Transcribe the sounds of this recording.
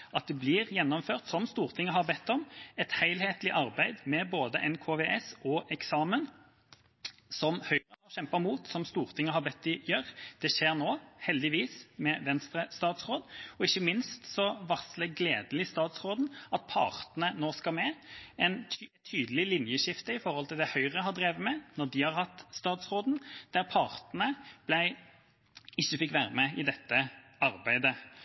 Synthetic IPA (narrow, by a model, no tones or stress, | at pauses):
ʔɑt̪̚d̪ɛbliːʁjɛnːɔmføːʁt̪sɔmst̪uːʁt̪ʰɪŋːəɦɑʁbɛt̪ːɔmɛt̪hæɪlheːt̪lɪʔɑʁbæɪd̪mɛboːd̪əʔɛnkʰoːʋeʔɛsɔʔɛksɑːmən | sɔmhœʏɾəɔɕɛmpɑmuːt̪sɔmst̪uːʁt̪ʰɪŋːəhɑʁbɛt̪ːɪjøʁd̪̥ɛʃeːʁnoːhɛld̪ɪʋiːsmɛʋɛnst̪ɾəst̪ɑːt̪sʁoːd̪ɔɪçːəmɪnst̪sɔʋɑsləɡleːd̪l̩ɪst̪ɑːt̪sʁoːd̪n̩ɑt̪̚pʰɑ̰ːʁt̪nənoːskɑmɛɛnʰt̪ʰyːd̪əl̩ɪlɪnjəʃɪft̪əɪfɔʁhɔlt̪ɪld̪ɛhœʏʁəhɑʁd̪ɾeːʋəmɛnɔʁd̪ɪhɑʁhɑt̪ːst̪ɑːt̪sʁoːd̪n̩d̪̥æʁpʰɑːʁt̪nəb̥læɪ | ɪçːəfɪkʋæːɾəmɛʔɪd̪ɛt̪ːəɑɾbæɪd̪ə